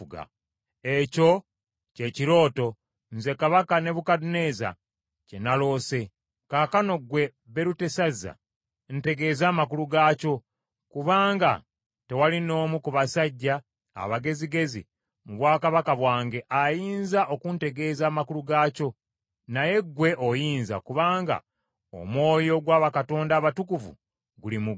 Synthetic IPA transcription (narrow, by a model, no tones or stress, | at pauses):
ɡa̰ | eco̞ | ce̞ciɾo̞ːto̞ | n̩ze̞kaβakane̞βukadune̞ːza̰ | ce̞nalo̞ːse̞ | kakano̞ɡwe̞ | βe̞ɾute̞sazːa̰ | n̩te̞ɡe̞ːzaːmakuluɡaːco̞ | kuβaːŋɡa̰ | te̞walino̞ːmukuβasaɟːa̰ː | βaɡe̞ziɡe̞zḭ | muβwaːkaβakaβwaːŋɡe̞ʔajiːnzaʔo̞kunte̞ɡe̞ːzaːmakuluɡaːco̞ | naje̞ɡwe̞ʔojiːnza̰kuβaːŋɡa̰ | o̰mwo̞ːjo̞ɡwaːβakato̞ːndaːβatukuvṵ | ɡulimuɡ